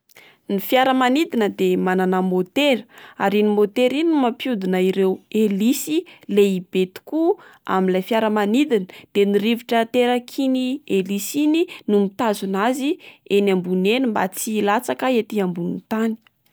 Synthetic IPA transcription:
nifjaɾəmanid̪inəd̪emananamot̪eɾəaɾinimot̪eɾiniimapjud̪unaiɾewelisileib̥et̪u̥kua̰minlajfjaɾəmanid̪inəd̪̥eniɾiviʈ͡ʂət̪eɾakʰinielisininumit̪azunazienambunenimba̰t͡siːlat͡sakaet̪iambunit̪ani̥

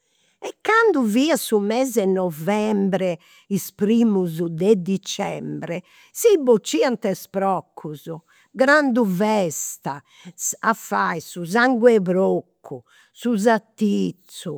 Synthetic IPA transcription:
ɛkːand̪uviːasumɛːzɛnːɔvɛmbɾɛ | ispɾiːmuzud̪ɛd̪it͡ʃɛ̰mbɾɛ | sibot͡ʃːiːant̪ɛspɾɔkʰːuzu | ɡɾand̪uvɛst̪a | safajsuzaŋɡwɛβɾokʰːu | suzat̪ːit̪sːu

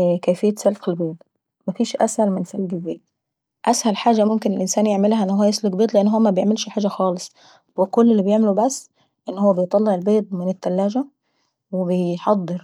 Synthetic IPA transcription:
kæːfejːæt̪sælxelbeːd̪ˤ | mæfiːʃʔæshælmɪnsælɡɪzæː | ʔæshælħaːd͡ʒæmʊmkɪnelʔɪnsæːnjeʕmelhæʔenːhowːæjeslʊɡbeːt̪ˤleʔenːɦowːæmæbejeʕmelʃħaːd͡ʒæxɑːlɨsˤ | wekolːelːibejeʕmelubæsː | ʔɪnːhowːæbejt̪ˤɑlːeʕelbeːd̪̚ˤmɪnɪt̪ːælːæːd͡ʒæ | webejħɑd̪ˤːɨɾ

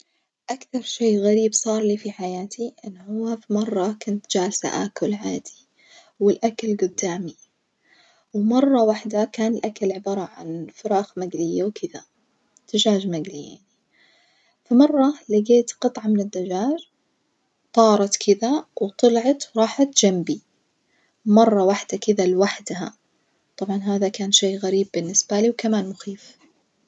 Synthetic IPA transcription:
ʔakθɑɾˤʃeːɣaɾiːbsˤɑːɾˤliːfiħajaːt̪ʰiʔɪnːhʊwːafimɑrˤːɑkʊnt̪d͡ʒaːlasa̰ʔa̰ːkʊlʕaːd̪̥i | wɪlʔakalɡʊd̪ːaːmi | wmɑrˤːɑwaħd̪akaːnɪlʔakalʕɪbɑːɾˤɑʕa̰nfʊɾɑːxmaɡlɪjːawkʰɪða̰ | d̪̥aʒaːd͡ʒmaɡlija̰ʕni | famɑrˤːɑlɪɡeːt̪qɨt̪ˤʕɑmɪnɪd̪ːaʒaːʒ | t̪ˤɑːɾˤɑt̪kʰɪðawt̪ˤɑlʕɑt̪wɾˤɑːħat̪d͡ʒ̥ambi | mɑrˤːɑwaħd̪akɪðalwaħd̪ha̰ | t̪ˤɑbʕɑnɦaːðakaːnʃeːɣaɾiːbːɪnːɪsb̥aliːwkamaːnmʊxiːf

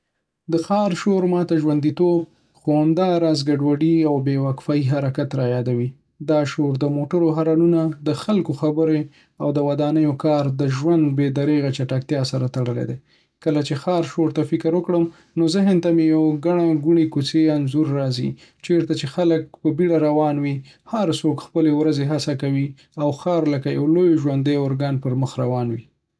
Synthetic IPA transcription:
d̪əxɑɾʃoɾmɑt̪aʒwand̪it̪ob̚ | xohamd̪ɑɾɑzɡaɖwaɖiawbewakfɑiɦaɾakat̪ɾɑjɑd̪awi | d̪ɑʃoɾd̪əmoʈəɾoɦaɾɑnunad̪əxalkoxabəɾe | awd̪əwad̪ɑnəjokɑɾd̪əʒwand̪bed̪aɾeɣat͡ʃaʈak̚t̪jɑsaɾat̪aɽəlḛd̪e | kəlat͡ʃexɑɾʃoɾt̪afɪkəɾwəkɽəm | nozəɦɪnt̪amejawɡaɳaɡuɳikut͡seanzuɾːɑzḭ | t͡ʃeɾt̪at͡ʃexalək̚pəbiɽaɾawɑnwi | haɾsokxpəlewɾazeɦasakawi | awxɑɾləkajawlojʒwand̪əjʊɾɡɑnpəɾməxɾawɑnwi

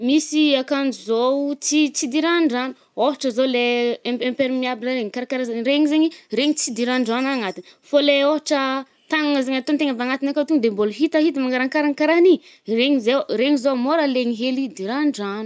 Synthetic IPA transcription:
misiakanuzot͡sit͡sid̪iɾaɳɖ͡ʐanu̥ | oɦaʈ͡ʂəzoleempeɾimiabilaɾeŋikaɾakaɾazeɲɾeɲizeɲiɾeɲit͡sid̪iɾaɳɖ͡ʐanaŋat̪infoleoɦaʈ͡ʂə | t̪aŋaŋəzeɲat̪ont̪eŋavaŋat̪inakat̪uŋd̪emboluɦit̪aɦit̪əmaŋɡaɾaŋkaɾankaɾani | reɲizeɾeɲizomoɾəleŋiɦelid̪iɾaɳɖ͡ʐanu̥

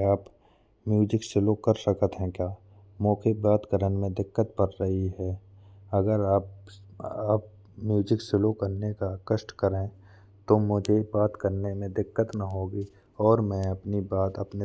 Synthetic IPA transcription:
aːp | mjuːd͡ʒɪksɪlokəɾsəkət̪ɦɛ̃kjaː | mõːkʰebaːt̪kəɾənmẽd̪ɪkːət̪bəɾɾəɦiɦɛː | ɐɡəɾaːp | aːp̚ | mjuːd͡ʒɪksɪlokəɾnekakəʃʈkəɾẽ | t̪omʊd͡ʒʱebaːt̪kəɾnemẽd̪ɪkːət̪naɦoːɡi | ɔːɾmɛ̃ːɐpnibaːt̪əpne

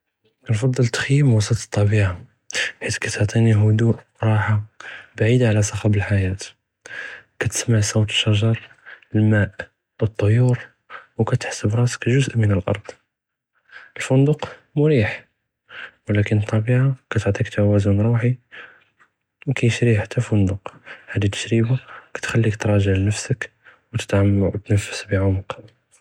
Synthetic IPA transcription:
nfɑd̪ˤːəlt̪xjːəmwɑsˤət̪t̪ˤːɑbiʕa | ħit̪kæt̪oʕt̪ˤiniɦʊd̪uʔ | ɾˤɑħabaʕid̪aʕlæsˤɑxɑbəlħajæt̪ | kæt̪ə̥smaʕsowt̪ə̥ʃːæʒɑɾˤ | əlmæʔ | wət̪ˤːojuɾ | wkæt̪ə̥ħsəbɾˤɑskæʒʊzʔmənəlʔɑ̰ɾˤd̪̥ˤ | əlfʊnd̪ʊqmʊɾiħ | wəlækənt̪ˤːɑbiʕakæt̪oʕt̪ˤikt̪ʰawæzʊnɾˤuħi | wkæjəʃɾiħat̪ʰːæfʊnd̪ʊqħad̪it̪ːə̥ʃɾibakæ̥t̪xælːikt̪ɾˤɑʒəʕlnəfsək | wət̪ə̥t̪ʕamt̪nəfːə̥sbiʕʊməq

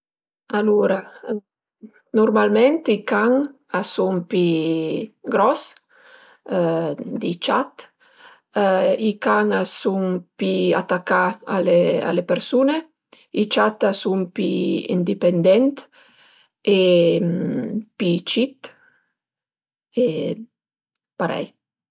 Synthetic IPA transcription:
aluːɾa | noɾmalmɛnt̪ikaŋ | asumpi | ɡɾɔs | d̪it͡ʃat̪ | ikaŋasuŋpia̰t̪akːaalea̰lepeɾsune | it͡ʃat̪asumpiḭnd̪ipend̪ɛnt̪ | e | pit͡ʃit̪ | e | paɾɛ̰j

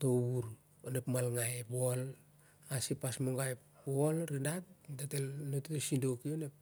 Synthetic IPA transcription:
toβuɾ | onepmalŋajepol | asipasmoŋɡajpolɾidatdetelnotetesindokionep̚

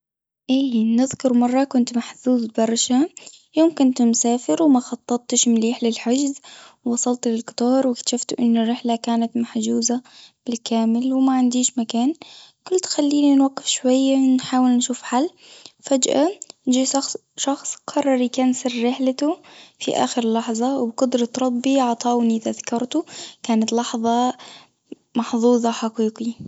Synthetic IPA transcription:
ʔiːnɪðkʊɾmɑrˤːɑkʊnt̪maħθuːzbɑɾˤʃa | joːmkʊnt̪msaːfɪɾwmaxɑt̪ˤːɑt̪̚t̪ːɪʃmliːħlɪlħad͡ʒzwwɑsˤɑlt̪lɪlkɪ̥t̪ɑːɾˤwɪk̪ʃaft̪ʔɪnːʊrːɪħlakaːnat̪maħd͡ʒuːzab̥ɪlkaːmɪlwɪmaʕɪnd̪iːʃmakaːnkʊlːt̪xalːiːninwaɡːɪfʃwajːanħaːwɪlnʃuːfħalː | fad͡ʒʔa̰nd͡ʒiː | ʃɑxsˤqʰɑrˤːɑɾˤijkaːnsɪrːɪħlat̪ʊfḭʔa̰ːxɪɾlːɑħðˤɑwbqʊd̪ɾˤɑt̪ɾˤɑb̪ˤbiʕɑt̪ˤɑːwnɪt̪ʔaðakːɑɾˤt̪ʊkaːnat̪lɑħðˤɑ | mɑħðˤuːðˤɑħaqiːqi

